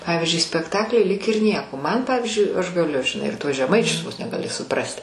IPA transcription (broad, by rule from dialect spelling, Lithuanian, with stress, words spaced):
ˈpɑːʋʲɪzʲd͡ʒʲʊɪ sʲpʲɛkˈtɑːklʲʊɪ lʲiːk ɪr ˈnʲiɛkoː mɐn ˈpɑːʋʲiːzʲd͡ʒʲʊɪ ɐʃ ɡɐˈlʲʊ ʒʲɪˈnɐɪ ɪr tuɔs ʒʲɛˈmɐɪt͡ʃʲʊs ʋoːs nʲɛ ɡɐˈlʲɪ sʊˈprɑːsʲtʲɪ